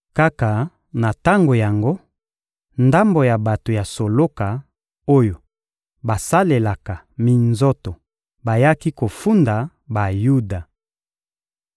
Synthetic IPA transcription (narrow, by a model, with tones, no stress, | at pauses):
ka˦ka˨ | na˨ta˦ŋɡo˨ja˨ŋɡo˦ | nda˦mbo˨ja˨ba˨to˨ja˨so˨lo˦ka˨ | o˦jo˨ | ba˨sa˦le˨la˨ka˨ | mi˨nzo˦to˨ | ba˨ja˦ki˦ko˨fu˦nda˨ | ba˨ju˦da˨